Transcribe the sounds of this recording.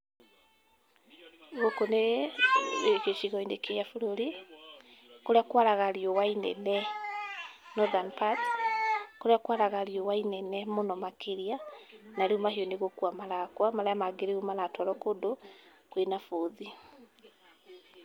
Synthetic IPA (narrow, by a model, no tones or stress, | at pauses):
ɣokone | hoʃiɣɔinekejafuɾoɾi | koɾeakwaɾaɣaɾiowainɛ̰nɛ | nɔðanpat | koɾeakwaɾaɣaɾiowainɛnɛmonɔmakeɾianaɾeomahiɔneɣokwamalakwamaɾajamaɡeɾeumalatɔɾɔkodo | kwenafoði